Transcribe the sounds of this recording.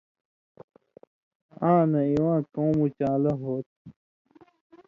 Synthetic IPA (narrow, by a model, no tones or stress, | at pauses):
ãːnɐiwãːkõːmut͡ɕaːlɐɦoːt̪̚